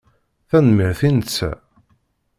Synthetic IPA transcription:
θænmiɾθinət͡sːæ̰

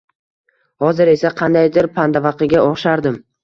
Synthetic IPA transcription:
hɒzɪɾe̞saqʰɑnd̪ajd̪ɪɾpʰand̪avɑqʰɨɡʲaɒχʃaɾd̪ɪm

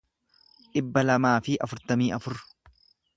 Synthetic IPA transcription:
ᶑɪbːɐlɐmaːfɪʔɐfʊɾt̪ɐmiːɐfʊɾ

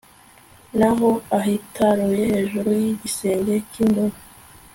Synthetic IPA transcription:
naɦoaɦitʰaɾuje̞he̞ːʒuɾujiɟise̞ːɲɟe̞cindoɾa

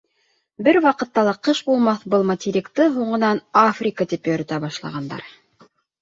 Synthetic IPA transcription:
bɘɾwɑqɤ̆t̪ːɑlˠɑqɤʃbulˠmɑθbɤlˠmɐtʲiɾʲikt̪ɤɦuɴɤ̆nɑnafrʲikat̪ipjɵ̆ɾɘ̆t̪æbɑʃlˠɑ̰ʁɑnd̪ɑ̰ɾ

